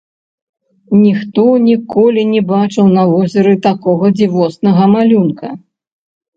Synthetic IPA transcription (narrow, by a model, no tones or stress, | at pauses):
nʲixt̪ɔnʲikɔlʲinʲɛbat͡ʂɨwnɐvɔzʲɐɾɨt̪akɔɣɐd͡zʲivɔsnɐɣɐmalʲunkɐ